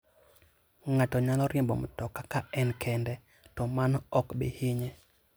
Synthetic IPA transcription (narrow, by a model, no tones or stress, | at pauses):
ŋatɔɲalɔɾjembɔ̰mɔtɔkakaɛnkʰɛndɛ | tɔmanɔɔkbɪ̰hɪɲe